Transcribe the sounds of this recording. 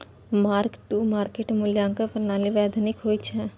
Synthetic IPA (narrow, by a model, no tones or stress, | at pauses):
maːɾkʈːuːmaːɾkeːʈmʊljãːŋkəpənaːliʋɛːd̪ʱnɪkɦoːit͡ʃʰɛ̃